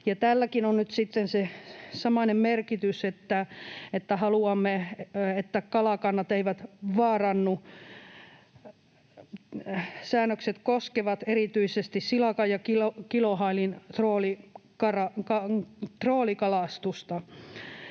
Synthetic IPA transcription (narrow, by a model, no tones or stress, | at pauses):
jɑt̪ælːækinonnyt̪sit̪ːensesɑmɑnemmerkit̪yset̪ːæet̪ːæhɑluɑmːeet̪ːækɑlɑkɑnːɑt̪eiʋæt̪ʋɑːrɑnːu | sæːnːˑøkset̪koskeʋɑt̪erit̪yisest̪issilɑkɑjɑkilokilohɑilint̪roːlikɑrɑkɑt̪roːlikɑlɑst̪ust̪ɑ